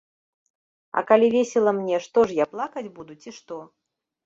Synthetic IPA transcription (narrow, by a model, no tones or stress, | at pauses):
ɐ̰kalʲivʲesʲɛlˠɐmnʲɛʂt̪ɔʐjaplˠakɐd͡zʲbud̪ut͡sʲiʂt̪ɔ